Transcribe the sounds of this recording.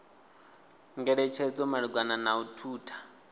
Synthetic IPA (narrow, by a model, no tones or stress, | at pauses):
ŋɡɛɺɛt͡ʃʰɛd͡zɔmaɺiɡwananautʰuːtʰḁ